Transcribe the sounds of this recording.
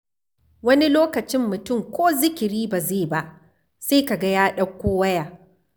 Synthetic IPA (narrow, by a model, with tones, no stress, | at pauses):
wɐ˦ni˦loː˦kɐ˨t͡ʃɪ˦mːʊ˨tʊ˦˨mkʷoː˦zɪ˦kʲɪ˨ɾiː˦ba˨zeː˦˨ba˦ʔ | seː˦ka˨ɡa˦jaː˦ɗɐ˦kʷːoː˦wɐ˦jaː˨